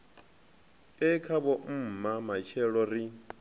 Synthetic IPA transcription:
ɛkʰaβɔm̩mamat͡ʃʰɛɺɔɾi

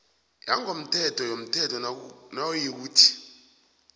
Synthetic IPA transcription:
jaŋɡom̩tʰɛtʰɔjom̩tʰɛtʰɔnaojik̬uːtʰi̥

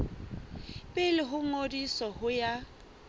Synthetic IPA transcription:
pʼɪlɪɦʊŋodisɔhʊja

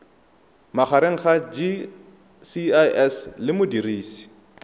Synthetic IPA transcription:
maχaɾeŋ̩χad͡ʒi | siaʔɛslɪmʊdiriːsi̥

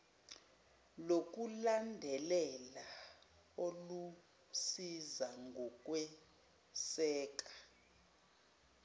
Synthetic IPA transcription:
lok̬ʼulandʱɛlɛla | olu | sizaŋɡʱɔk̬ʼwɛ | sɛːk̬ʼḁ

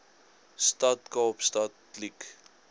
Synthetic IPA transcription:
statkɑːpstat | lik

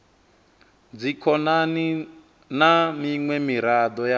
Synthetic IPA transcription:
d͡zikʰɔnani | namiŋwɛmiɾad̪ɔja

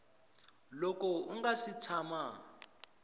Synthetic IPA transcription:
lɔk̬ɔuŋɡasitʰama

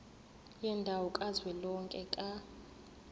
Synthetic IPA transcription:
jɛndʱawɔkʼazwɛlɔŋkʼɛkʼa

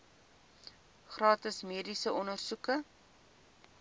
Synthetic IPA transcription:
χrɑːtəsmiːdisəʔɔnərsukə

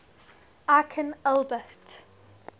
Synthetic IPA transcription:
akʰə̃nalˠbət

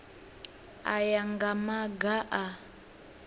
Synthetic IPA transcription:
a̰jaŋɡamaɡaʔa

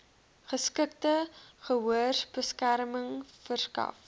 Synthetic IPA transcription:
χəskək̚təχəɦuərsbəskærməŋfərskɐ̰f

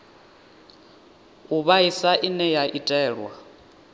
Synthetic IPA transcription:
uβaisaʔinɛjaʔitʼɛːɺwa

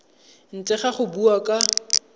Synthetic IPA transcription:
n̩t͡sɛχaχʊbuakʼa

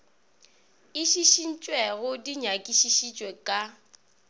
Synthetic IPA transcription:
ɪʃiʃin̩t͡ʃʼweɣʊdiɲakʼiʃiʃit͡ʃʼwekʼa

